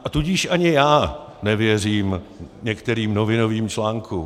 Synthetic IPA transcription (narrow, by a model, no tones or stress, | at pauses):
ʔat̪uɟɪʃʔaɲɪjaː | nɛvjɛr̝iːmɲɛkt̪ɛɾiːmnovɪnoviːmt͡ʃlaːŋkʰu